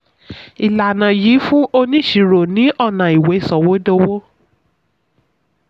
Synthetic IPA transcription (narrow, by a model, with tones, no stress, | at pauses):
i˨la˨nã˨jiː˨˦fũ˦ʔo˧nĩ˦˨ʃi˨ɾo˨nĩ˨˦ʔɔ˦˨nã˨i˨we˨˦˨sɔ˨wo˨˦do˧˦wo˦